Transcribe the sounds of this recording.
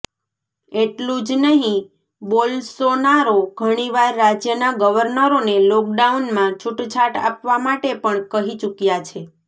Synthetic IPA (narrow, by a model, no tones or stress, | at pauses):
eʈlũd͡ʒnəɦĩ | bolsonaɾoɡʱəɽ̃iʋaɾːad͡ʒjənaɡəʋəɾnəɾonelɔk̚ɖaunmãt͡ʃʰuʈt͡ʃʰaʈa̰pʋamaʈepəɳkəɦit͡ʃukjat͡ʃʰe